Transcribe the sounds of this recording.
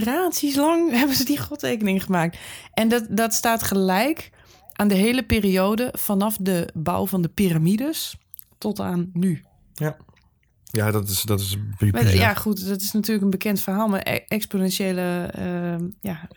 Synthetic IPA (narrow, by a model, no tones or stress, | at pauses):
raːtsis̬lɑŋɦɛbənzədiχɔtreːkənɪŋəχəmaːk̚tʔɛndɔdɔtstaːtχəlɛjk | ʔaːndəɦeːləpeːrioːdəfɔnɔfdəba̰wvɔndəpiramidəs | tɔtaːnːy | jadɔtɪsdɔtɪsbimɛjaχutdɔtɪsnatyːləkənbəkʰɛntfərɦaːlˠma̰r̰ɛksponɛnseːləəja